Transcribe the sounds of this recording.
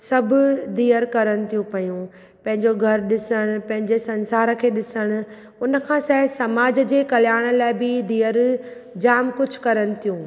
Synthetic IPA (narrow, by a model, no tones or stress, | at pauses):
sɐbʱʊd̪iːəɾkɐɾəɽ̃ɪ̆t̪ʰijũpɐjũ | pɐ̃ɦɪ̃ɲd͡ʑoɡʱɐɾɗɪsəɽ̃pɐ̃ɦɪ̃ɲd͡ʑesɐ̃nsaːɾkʰeːɗɪsəɽ̃ʊ̆ | ʊnə̆kʰãːsɛːsɐmaːd͡ʑə̆d͡ʑeːkɐljaːɽ̃ə̆laːɪbɪd̪iːəɾ | d͡ʑaːmkʊd͡ʑʱʊ̥̆kɐɾəɽ̃ɪ̆t̪ʰijũː